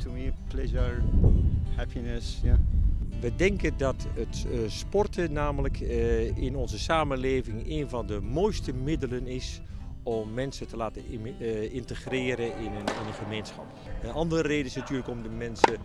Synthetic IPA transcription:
tumiplɛʒəɹ | hɛpinəsjaʋədɛŋkəndɑtətspɔrtʰənaːmələkʰɪnɔnzəsaːmənleːvɪŋeːnvɑndəmoːjstəmɪdələnɪs | ɔmːɛnsətəlaːtə | ɪntəχrɪːɾəɪnɪnəχəmeːnsχɑ̰p | ənɑndərəreːdənɪsnatyːləkɔmdəmɛnsə

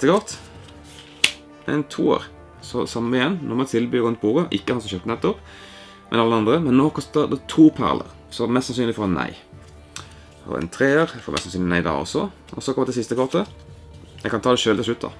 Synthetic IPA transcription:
t̪əkɔʁt̪ | ɛ̰nt̪ʰṵːo̰ːɾ | sɔsɑmːəɪjɛnnʔɔʁmɛt̪ʰɪlbyːɾʁʉnt̪̚buːʁəʔɪkːəhɑnsɔmʃœt̪ənɛt̪ːɔp | mʔɛ̰nɑlːəɑnd̪ʁəmɛnːoːkʰɔst̪əɾd̪ət̪ʰuːpʰæ̰ʁlə̰ʁ | sɔmɛssɑnsyːnlɪfɔʁɛnːæ̰ɪ | ɔ̰ɾɛ̰nt̪ʰɾeːəɾfɔmʔɛ̰sɑsyːnɪnæɪd̪ɑ̰ɔ̰sːɔ | ɔsɔkʰɔməd̪ɛt̪ɪlsɪst̪əkʰɔʁt̪ə | jɛɡkʰːɑnt̪ʰɑːd̪ɛʃøːlt̪ɪlsʃlʉt̪̚ːd̪ɑ̰

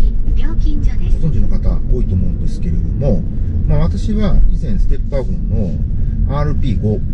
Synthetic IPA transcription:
bʲjoːkʲĩɲd͡ʑaet̪ond͡ʑĩnokat̪a̰o̞ːit̪o̞ːmo̞ɯ̟̃nd̪e̞sɨ̥ke̞ɾḛd̪omo̞ | maβ̞at̪aɕiβaizẽ̞ɰ̃sɨ̥t̪e̞pɯːaɡõnːoaːɾɯ̟pʲiːɡo

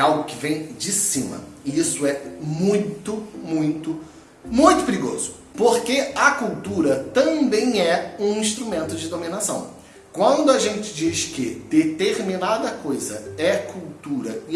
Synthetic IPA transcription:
awɡʊkɪvẽj̃d͡ʒɪsĩmɐ̰ɪisʊɛmũj̃t̪ʊmũj̃t̪ʊ | mũj̃t̪ʊpɪɾiɡo̰zʊ̥ | poɾkeɐkuwt̪uɾɐt̪ɐ̃bẽj̃ɛũĩʃt̪ɾumẽnt̪ʊd͡ʒɪd̪ominasɐ̰̃w̃ | kwɐ̃nd̪ʊɐʒẽnt͡ʃɪ̥d͡ʒiʃkɪd̪et̪eɾminad̪ɐkojzɐ̰ɛkʰuwt̪uɾɐɪ

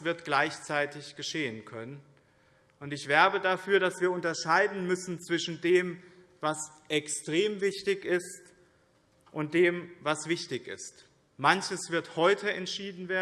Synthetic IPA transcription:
sv̥ɪɐtɡ̥laɪçt͡saɪtɪçɡ̥əʃeːənkʰœnən | ʔʊntɪçv̥ɛɐbədafyːɐdasv̥iːɐʊntɐʃaɪdn̩mʏsn̩t͡sv̥ɪʃn̩deːm | vas | ʔɛkstʁ̥eːmvɪçtɪçɪst | ʔʊnt̚d̥eːmvasv̥ɪçtɪçɪ̰st | mançəsv̥ɪɐthɔʏtʰəɛntʃiːdn̩veːɐ

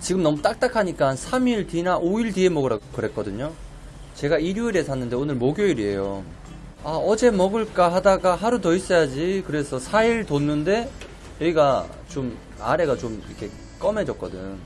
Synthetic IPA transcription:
t͡ɕiɡɯmnʌmut͈ak̚t͈akʰaɲik͈ansʰamiɭtinaʔoiɭtie̞mʌɡɯɾaokɯɾe̞k͈ʌdɯɲo | t͡ɕe̞ɡaiɾjuiɾe̞sʰanːɯnde̞onɯɭmoɡjoiɾie̞̰jo | aʌd͡ʑe̞mʌɡɯɭk͈aɦadaɡaɦaɾutʌis͈ʌjad͡ʑikɯɾe̞sʰʌsʰaiɭtonːɯnde̞ | jʌiɡa | t͡ɕom | a̰ɾe̞ɡat͡ɕomikʰe̞ | k͈ʌme̞d͡ʑʌk͈ʌdɯɲo

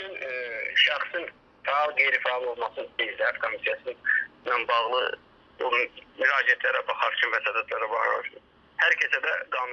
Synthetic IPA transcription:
ynʃæχsɯn | fæɑlˠɡe̞jɾifæɑlˠo̞lˠmɑsɯned͡ʒd̪ææt̪̚kʰo̞misijɑsɯnɑnbɑʁlˠɯ̰ | bumyɾɑːd͡ʒiæt̪ʰlæɾæbɑχɑɾt͡ʃʰynvæsɑːd̪æt̪ʰlæɾabɑ̰ɾo̰su | hæɾcʰesæd̪æɡɑːnu

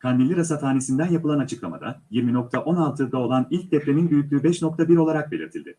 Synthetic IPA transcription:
kʰand̪ilʲiɾasat̪ʰaːnesind̪ænjapɯlˠanat͡ʃʰɯklˠama̰d̪a̰jiɾmino̞k̚t̪ʰaʔo̞nalˠt̪ʰɯd̪ao̞lˠanilʲc̚d̪ɛfɾe̞ninbyjyc̚ʲlʲyːbɛʃno̞kt̪ʰabiɾo̞lˠaɾak̚be̞lʲḭɾt̪ʰilʲd̪ɪ

